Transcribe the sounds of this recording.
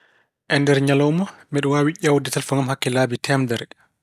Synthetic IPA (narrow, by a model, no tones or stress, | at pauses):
ʔɛndɛɾɲalɔwmɔmɛɗɔwawiʔawdɛtalfɔŋɡamhakːɛlaːbitʰɛmdɛɾ